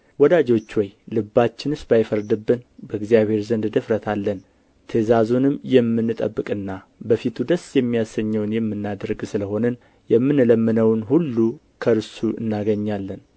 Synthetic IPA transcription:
wɔd̪ad͡ʒo̞t͡ʃːwɔjlɨbːat͡ʃːɪnɨsbajfəɾd̪ɨbːɨnbəɡzijaβhe̞ɾzənd̪d̪ɨfɾət̪ʰalːən | t̪ʰəzazunɨmjɛmːɨnːɨt̪ʼəbːɨkʼɨnːa | bəfit̪ʰud̪əsjɛmːijasəɲːəwnjɛmːɨnːad̪əɾɡsɨləho̞nən | jɛmːɨnləmːɨnəwnhulːu | kʰəɾɨsuʔɨ̰nːaɡəɲːalːən

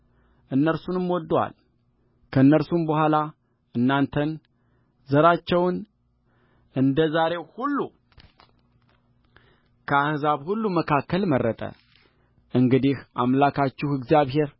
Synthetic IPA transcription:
ʔɨnːəɾsunɨmwɔd̪wa̰l | kʰəɨnːəɾsumbəhʷala | ɨnːant̪ʰən | zəɾat͡ʃːɛwn | ɨnd̪əzaɾe̞hulːu | kʰəahzaβhulːuməkʰakːəlmərːət̪ʼə̰ | ʔɨŋɡɨd̪ihʔamlakʰat͡ʃːɪhɨɡzijaβɦe̞ɾ

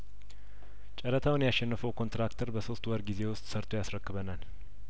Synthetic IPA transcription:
t͡ʃʼɛɾət̪ʰawnjaʃːɛnːɨfəwkʰo̞nt̪ɾakt̪ʰəɾbəso̞st̪wɔɾɡize̞wʊst̪ʼsəɾt̪ʰojasɾəkːɨβənal

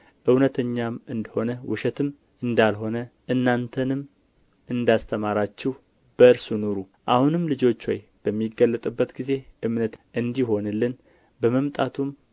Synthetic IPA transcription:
ʔɨwnət̪ʰəɲːamɨnd̪əho̞nəwʊʃɛt̪ʰɨm | ɨnd̪alɦo̞nəʔɨnːant̪ʰənɨm | ʔɨnd̪ast̪ʰəmaɾat͡ʃːɪh | b̥əɨɾsunoɾu | ʔahunɨmlɨd͡ʒo̞t͡ʃːwɔj | b̥əmːiɡːəlːət̪ʼɨbːət̪ɡize̞ʔɨmnət̪ʔɨnd̪iho̞nɨlːɨn | bəməmt̪ʼat̪ʰum

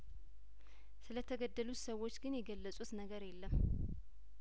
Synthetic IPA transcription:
sɨlət̪ʰəɡəd̪ːəlut̪səwːo̞t͡ʃːɡɨnjɛɡəlːəsʼut̪nəɡəɾjɛlːəm

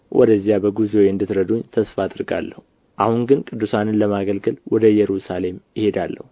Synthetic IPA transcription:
wʔɔ̰d̪əzːijabəɡuzowjɨnd̪ɨt̪ɾəd̪uɲt̪ʰəsfaaːd̪ɾɡa̰lːəhu | ʔahuŋɡɨnkʼɨd̪ːusanɨnləmaɡəlɡəlwɔd̪əjɛɾusale̞mjɪhe̞d̪alːə̰hu

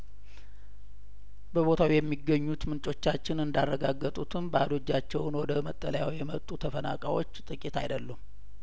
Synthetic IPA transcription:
bəβo̞t̪ʰawijɛmːiɡːəɲːut̪mɨnt͡ʃʼo̞t͡ʃːat͡ʃːɪnɨnd̪arːəɡaɡːət̪ʼut̪ʰɨmbəad̪o̞d͡ʒːat͡ʃːɛwnwɔd̪əmət̪ʼːələjawjɛmət̪ʼut̪ʰəfəna̰kʼa̰jwo̞t͡ʃːt̪ʼɨkʼit̪ʰa̰jd̪əlːum

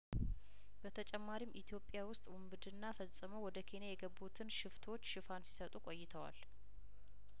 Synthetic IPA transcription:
b̥ət̪ʰət͡ʃʼɛmːaɾimʔit̪ʰijo̞pʼːjawʊst̪ʼwʊmbɨd̪ɨnːafəsʼɨməwɔd̪əkʰe̞njajɛɡəbːut̪ʰɨnʃɪft̪ʰo̞t͡ʃːʃɨfansi̥sət̪ʼukʼo̞jːɪt̪ʰəwa̰l

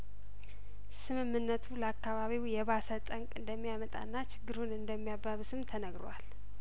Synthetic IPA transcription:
sɨmɨmːɨnːət̪ʰuləakːaβaβiwjɛβasət̪ʼəŋkʼɨnd̪əmːijamət̪ʼa̰nːat͡ʃʰɪɡːɨɾunɨnd̪əmːijabːaβɨsɨmt̪ʰənəɡɾowal

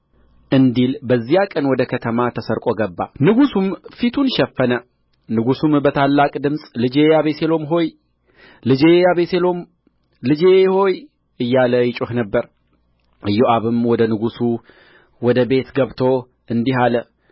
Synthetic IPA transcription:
ʔɨnd̪ilbəzːijakʼənwɔd̪əkʰət̪ʰəmat̪ʰəsəɾkʼo̞ɡəbːa̰nɨɡusumfit̪ʰunʃɛfːənə | nɨɡusumbət̪ʰalːakʼd̪ɨmsʼlɨd͡ʒejaβese̞lo̞mɦo̞j | lɨd͡ʒejaβeselo̞m | lɨd͡ʒeho̞j | ɨjːaləjɪt͡ʃʼuhnəbːəɾ | ʔɨjːoʔaβɨmwɔd̪ənɨɡusu | wɔd̪əbe̞t̪ɡəβt̪ʰo̞ | ʔɨnd̪iɦalə

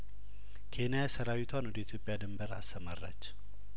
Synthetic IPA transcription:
kʰe̞nijasəɾawit̪ʰwanwɔd̪əit̪ʰjo̞pʼːjad̪ɨmbəɾa̰st̪əmarːa̰t͡ʃː

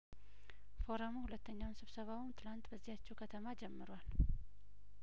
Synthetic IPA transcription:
fo̞ɾəmuhulət̪ːəɲːawnsɨβsəβawɨnt̪ʰɨlant̪bəzːihat͡ʃːɛwkʰət̪ʰəmad͡ʒɛmːɨɾwal

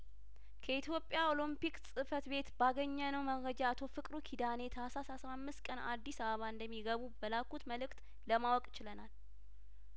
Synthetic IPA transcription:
kʰəit̪jo̞pʼːjao̞lɨmpiksʼɨfət̪be̞t̪baɡəɲːənəwməɾəd͡ʒaːt̪ʰo̞fɨkʼɾukʰid̪ane̞t̪ʰəasasasamːɨst̪̚kʼəna̰d̪ːisaβəβaɨnd̪əmːiɡəβubəlakːut̪məlɨkt̪ʼ | ləmawɔkʼɪt͡ʃɪlənal

